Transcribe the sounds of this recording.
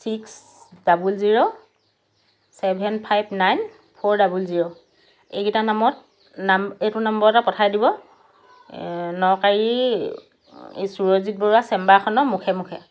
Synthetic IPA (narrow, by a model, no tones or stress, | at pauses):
siks | dabulziɹo | sɛbʱɛnpʰajbnajn | pʰɔɹdabulziɹo | ekitanamɔt̚ | nametʊnambɔɹtapɔtʰajdibɔ | nɔkaɹi | suɹozit̚bɔɹuasɛmbakʰɔnɔmukʰɛmukʰɛ̰